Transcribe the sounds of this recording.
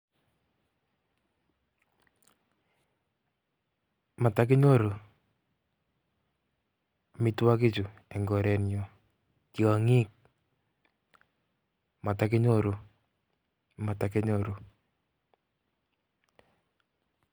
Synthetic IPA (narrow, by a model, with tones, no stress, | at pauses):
ma˨tak̬ɪ˦ɲo˦ɾu˨ | mɪ˦twa˦kɪ˦t͡ʃu˨ɛ˨ŋɡɔ˨ɾɛ˨njo˨ | ki˨a˨ŋi˦k̚ | ma˨takɪ˦ɲoɾu˦ | ma˨take˦ɲoɾu˦